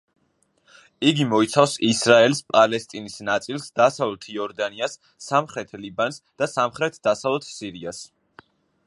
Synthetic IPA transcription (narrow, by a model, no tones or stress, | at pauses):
iɡimɔit̪sʰafsisɾaɛlspʼalɛst̪ʼinisnat̪sʼilˠsd̪asavlˠɛt̪ʰjɔɾd̪aniasː | amχɾɛt̪ʰlibansd̪̥asamχɾɛt̪ʰd̪asavlˠɛt̪ʰsiɾias